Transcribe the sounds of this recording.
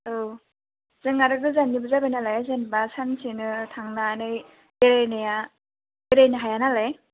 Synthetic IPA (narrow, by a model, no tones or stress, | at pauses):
o | zɯŋaɾɯɡɯzanːibɯzabejnalajzenbasansinɯtʰaŋnanɯj | beɾajnɯja | beɾajnɯɦajanalaj